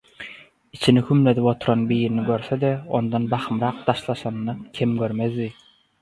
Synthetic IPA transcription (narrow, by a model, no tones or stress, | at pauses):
it͡ʃʰinikʰymled̪ipo̞t̪ʰuɾɑnbiːɾiniɡøɾθed̪eond̪ɑnbɑχɯmɾɑːq̚t̪ʰɑʃlˠɑʃɑnːɑkʲʰimɡʲøɾmezd̪i